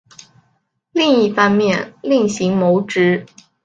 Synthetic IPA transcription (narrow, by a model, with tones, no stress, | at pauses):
li˥˧ŋi˥˩fɑ˥ŋmjɛ˥˩nli˥˩ŋɕi˧˥ŋmo˧˥ʊʈ͡ʂɻ̩˧˥